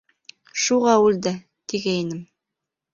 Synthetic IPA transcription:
ʃuʁɑʉld̪ɘ | t̪iɡæinɘm

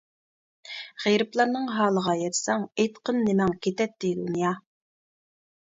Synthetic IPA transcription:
ʁeɾɪplˠɑɾnɨŋɦɑːlˠəʁɑjɛt̪ʰsɛŋejt̪qʰənːɪmɛŋkʲʰet̪ɛt̪ːɪd̪unjɑ

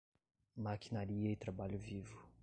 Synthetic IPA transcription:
makʰinaɾiɐit̪ɾabaʎuvivu

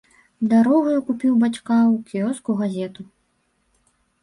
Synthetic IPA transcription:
d̪aɾɔɣɐjukupʲiwbat͡skawkʲiɔskuɣazʲɛt̪u

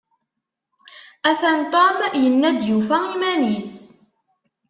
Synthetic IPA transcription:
æθænt̪ˤomjənːæd̪jufæimænis

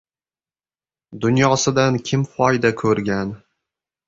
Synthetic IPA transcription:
d̪ʊnjɒsɪd̪ankʲʰɪmfɒjd̪akʰɵɾɡʲan

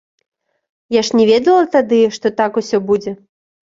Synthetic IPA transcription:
jaʂnʲɛvʲɛd̪ɐlˠɐt̪ad̪ɨʂt̪ɔt̪akusʲɔbud͡zʲɛ

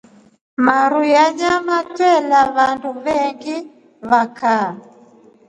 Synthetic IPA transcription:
maɾujad͡ʒamatwɛlaβanduβɛŋɡi | βakʰa

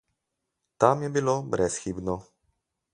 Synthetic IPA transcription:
t̪amjɛbilobɾʔɛsxibnɔ

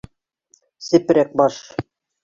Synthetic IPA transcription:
sɘ̆pɾæk̚bɑʃ

